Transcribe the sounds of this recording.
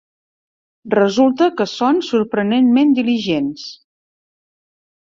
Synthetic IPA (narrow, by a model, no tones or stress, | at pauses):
rəzulˠt̪əkəsonsuɾpɾənenmend̪iliʒens